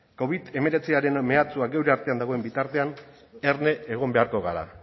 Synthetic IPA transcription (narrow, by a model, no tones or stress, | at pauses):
ko̞β̞it̪e̞me̞ɾe̞t͡siaɾe̞nme̞at͡suaɡe̞wɾeaɾt̪e̞and̪aɣ̞o̞e̞mbit̪aɾt̪e̞an | e̞ɾne̞ːɣ̞o̞mbe̞aɾkoɣaɾa̰